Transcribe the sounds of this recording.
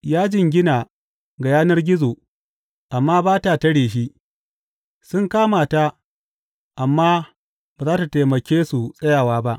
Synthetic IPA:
jaː˦d͡ʒɪ˦ŋɡʲɪ˦naː˨ | ɡa˨jaː˦nɐ˦rɡʲɪ˦zoː˨ | ʔa˨mːaː˦baː˦ta˨tɐ˦ɽeː˨ʃ̬i˦ | sʊ˦ŋkaː˦maː˨ta˦ | ʔa˨mːaː˦ | baː˨zaː˦ta˨teː˨mɐ˨kʲeː˦su˨sʼɐ˦jaː˨waː˦ba˦ʔ

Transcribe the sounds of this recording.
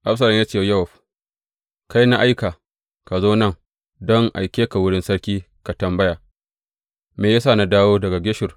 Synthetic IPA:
ʔa˦ɸsɐ˨lɪ˨ŋjaː˦t͡ʃeː˦˨jɐ˦wɔ˨ɸ | ka˦jna˦ʔa˦jka˨ | ka˨zoː˦nɐ˦ŋ | dɔ˦ŋʔa̰˨jkʲeː˦ka˨wʊ˦ɽɪ˦nsɐ˦ɽkʲiː˦ | ka˨tɐ˨mbɐ˦jaː˨ | meː˨jaː˦saː˦˨na˨daː˦woː˦dɐ˨ɡa˨ɡʲɪ˦ʃɪ˨r

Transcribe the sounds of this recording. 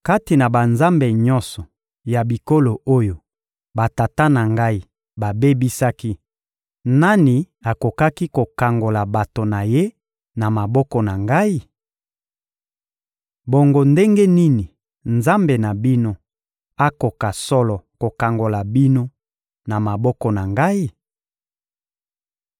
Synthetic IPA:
ka˦ti˨na˨ba˨nza˦mbe˨ɲɔ˦nsɔ˨ | ja˨bi˨ko˦lo˨ʔo˦jo˨ | ba˨ta˨ta˦na˨ŋɡa˦i˦ | ba˨be˦bi˦sa˦ki˦ | na˦ni˨ | a˨ko˨ka˦ki˦ko˨ka˨ŋɡo˨la˨ba˨to˨na˨je˦ | na˨ma˨bɔ˦kɔ˨na˨ŋɡa˦i˦ | bo˨ŋɡo˦nde˦ŋɡe˦ni˦ni˨ | nza˦mbe˨na˨bi˦no˦ | a˦ko˨ka˨sɔ˦lɔ˨ko˨ka˨ŋɡo˨la˨bi˦no˦ | na˨ma˨bɔ˦kɔ˨na˨ŋɡa˦i˦˨

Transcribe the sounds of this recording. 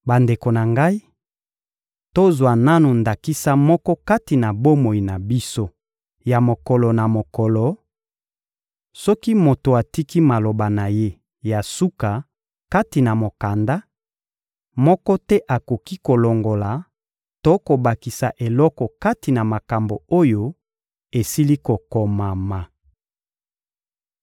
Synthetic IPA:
ba˨nde˨ko˨na˨ŋɡa˦i˦ | to˦zwa˨na˦nu˨nda˨ki˦sa˦mɔ˦kɔ˦ka˦ti˨na˨bo˦mo˨i˨na˨bi˦so˦ | ja˨mo˨kɔ˨lɔ˨na˨mo˨kɔ˨lɔ˨ | sɔ˦ki˦mo˨to˨a˨ti˦ki˦ma˨lo˨ba˨na˨je˦ | ja˨su˦ka˨ | ka˦ti˨na˨mo˨ka˨nda˦ | mɔ˦kɔ˦tɛ˦ʔa˨ko˨ki˦ko˨lɔ˨ŋɡo˨la˨ | to˦ko˨ba˨ki˨sa˨ʔe˨lɔ˦kɔ˨ka˦ti˨na˨ma˨ka˨mbo˨o˦jo˦ | e˨si˦li˦ko˨ko˨ma˨ma˨

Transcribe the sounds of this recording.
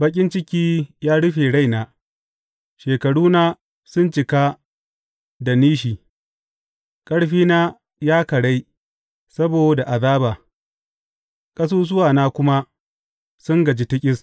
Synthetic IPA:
bɐ˦kʲʼɪ˦nt͡ʃɪ˦kʲiː˦jaː˦ɽʊ˦ɸeː˨ɽa˦jnaː˨ | ʃeː˨kɐ˨ɽuː˦naː˦ | sʊ˦nt͡ʃɪ˨ka˦ | da˨niː˦ʃ̬iː˨ | kʼɐ˦ɽɸiː˦naː˦ | jaː˦kɐ˨ɽa˦j | sɐ˦boː˨da˨ʔa˨ðaː˦baː˨ | kʼɐ˦s̬oː˦s̬ʊ˦waː˨naː˦kʷʊ˦ma˦ | sʊ˦ŋɡɐ˨d͡ʒi˦tɪ˦kʲʼɪ˦s

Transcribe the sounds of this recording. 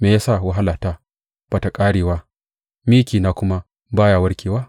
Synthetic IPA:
meː˨jaː˦sa˦˨wa˦ɦa˦laː˨ta˦ | b̥a˨ta˨kʼaː˦ɽeː˨waː˦ | miː˦kʲiː˨naː˦kʷʊ˦ma˦ | baː˦jaː˦˨wɐ˦ɽkʲʰeː˨waː˦

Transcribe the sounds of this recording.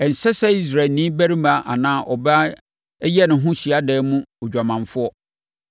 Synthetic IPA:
ɛ˨n̩˨sɛ˦sɛ˦i˦s̬ɾa˨lnĩ˦bæ˦ɾĩ˦ma˨ʔa̰˨nãː˦ʔɔ˨ba˦ | jɛ˦nʊ̃˨ɦʊ̃˦ɕi˨a˦dɛː˨˦mũ˦ɔ˨d͡ʑᶣa˨mã˨ɱ˨fʊ˦ɔ˦

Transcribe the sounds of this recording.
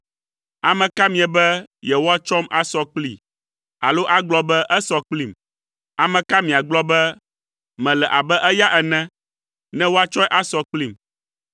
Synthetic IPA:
a˨mɛ̃˨ka˦mĩ˨ɛ˨bɛ˦jɛ˨wo˦a˦t͡ʃɔ˦ma˦sɔ˦k͡pli˦˨ | a̰˨lo˦ʔa˦ɡ͡blɔ˦bɛ˦ʔɛ˦sɔ˦k͡pli˦˨m | a˨mɛ̃˨ka˦mĩ˨a˨ɡ͡blɔ˦bɛ˦ | mɛ̃˨lɛ˨ʔa˨bɛ˦ʔɛ˦ja˦ʔɛ˨nɛ̃˦ | nɛ̃˦wo˦a˦t͡ʃɔ˦jʔa˦sɔ˦k͡pli˦˨m

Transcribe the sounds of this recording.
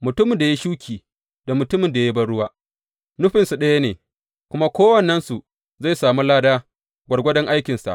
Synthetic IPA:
mʊ˨tʊ˦mɪ˨nda˨ji˦ʃuː˦kʲʰiː˨ | d̥a˨mʊ˨tʊ˦mɪ˨nda˨ji˦bɐ˦ɽʊ˦waː˦ | nʊ˦ɸɪ˨nsu˨ɗɐ˦ja˦neː˨ | kʷʊ˦ma˦kʷoː˦wɐ˨nːɐ˦nsu˨ | za˦˨jsaː˨mu˦laː˦daː˦ | ɡʷɐ˨ɽɡʷɐ˦dɐ˦ŋʔa˦jkʲɪ˨nsa̰˨ʔ

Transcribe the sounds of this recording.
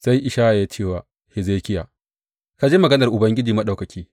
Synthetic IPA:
sa˦jʔɪ˨ʃaː˦ʔa˨jaː˦t͡ʃeː˦˨waː˨ | hɪ˨zeː˦kʲɪ˦jaː˨ | ka˦d͡ʒeː˦mɐ˨ɡɐ˦nɐ˨rʔʊ˨bɐ˦ŋɡʲɪ˦d͡ʒiː˨mɐ˦ɗa˨wkɐ˨kʲʰiː˦

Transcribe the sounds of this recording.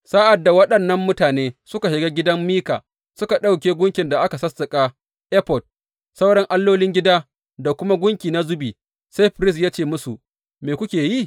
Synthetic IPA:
saː˦ʔa˨dːa˨wɐ˦ɗɐ˨nːɐ˦mːʊ˦taː˨neː˦sʊ˦ka˨ʃɪ˨ɡaː˦ɡʲɪ˦dɐ˦mmiː˦ka̰ː˨ | sʊ˦ka˨ɗa˦wkʲeː˦ɡʷʊ˦ŋkʲɪ˨nda˨ʔa˦ka˨sɐ˦sːɐ˨kʼaː˦ | ʔɛ˦pɔ˨d̚ | sa˦wɽɐ˦ŋʔa˦lːoː˦lɪ˦ŋɡʲɪ˦daː˦ | da˨kʷʊ˦ma˦ɡʷʊ˦ŋkʲiː˨na˦zʊ˦biː˨ | sa˦jɸʊ˨ɾɪ˦s̬jaː˦t͡ʃeː˦˨mʊ˦su˨ | meː˨kʷʊ˦kʲeː˨ji˦˨

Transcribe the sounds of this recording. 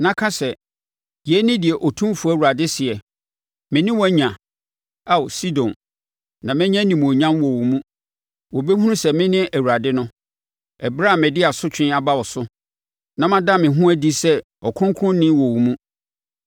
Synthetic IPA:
nã˦kʰã˦sɛ˨ | jɛ˨˦nɪ̃˦dɪ˨ɛ˨ʔɔ˨tʰũ˦fu˨˦æ˦˨u˨a˨dɪ˦sɪ˨ɛ˨ | mɪ̃˨nɪ̃˦wɔ˦ɲã˨ | a˦wsi˦dɔ̃˨n | nã˨mɛ̃˦ɲã˦nĩ˨m˨ɔ˨ɲã˦mwɔ˨wu˨mũ˦ | wɔ˨bɛ˦hũ˦ɾũ˦sɛ˨mɪ̃˦nɪ̃˦ʔæ˨wu˨ɾa˨dɪ˦nʊ̃˦ | ɛ˨bɾa˦˨mɛ̃˨dɪ˦a˨sʊ˦t͡ɕᶣɪ̃˦a˨ba˦wɔ˨sʊ˦ | nã˨mã˦da˦˨mɪ̃˨ɦũ˦æ˦di˦sɛ˦ | ɔ˨kʰʊ̃˦ŋ˦kʰʊ̃˦nː˦ɪ̃˦wɔ˨wu˨mũ˦

